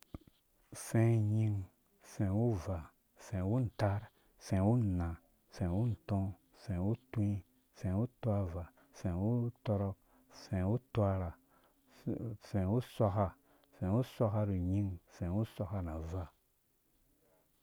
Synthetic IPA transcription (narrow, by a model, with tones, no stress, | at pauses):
sẽ˦ɲi˦ŋ | sẽ˨wu˦va˨ | sẽ˨wu˦n̩˨ta˦ɾ | sẽ˨wu˦˨na˨ | sẽ˨wu˦n̩˨tõ˦ | sẽ˨wu˦tũ˦i˦ | sẽ˨wu˦twa˦va˨ | sẽ˨wu˦tɔ˦ɾɔ˦k̚ | sẽ˨wu˦twa˦ɾa˨ | sẽ˨wu˦sʷa˦ka˦ | sẽ˨˦wu˦sʷa˦ka˦ɾu˨ɲi˦ŋsẽ˨wu˦sʷa˦ka˦na˨va˦˨